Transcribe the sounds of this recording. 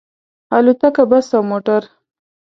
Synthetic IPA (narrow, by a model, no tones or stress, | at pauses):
alut̪akabasawmoʈaɾ